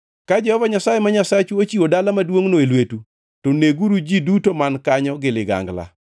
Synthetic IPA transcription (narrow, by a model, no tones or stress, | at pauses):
kad͡ʒɛhɔvaɲasajemaɲasat͡ʃuot͡ʃiwodalamadwoŋnoelwetu | toneɡuɾud͡ʒidutomankaɲɔɡɪlɪɡa̰ŋɡla̰